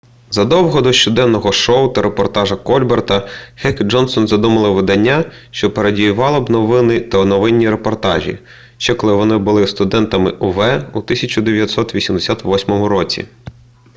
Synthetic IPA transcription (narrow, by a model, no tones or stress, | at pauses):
zɐd̪ɔwɦɔd̪ɔʃt͡ʃɔd̪ɛnːɔɦɔʃɔʊt̪ɐɾepɔrt̪ɑʒɐkɔlʲbert̪ɐxɛkd͡ʒɔnsɔnzɐd̪umɐlˠɪʋɪd̪ɐnʲːa | ʃt͡ʃɔpeɾedʲijʊʋɑlˠɪbnɔʋɪnɪt̪ɐnɔʋɪnʲːiɾepɔrt̪ɑ̰ʒʲḭ | ʃt͡ʃɛkɔlˠɪʋɔnɪbʊlˠɪst̪ʊd̪ɛnt̪ɐmɪʔʊʋɛut̪ɪsʲɐt͡ʃʊd̪eʋjɐt̪ʲsɔt̪ʋʲisʲimd̪esʲat̪ʋɔsʲmɔmʊɾɔt͡sʲḭ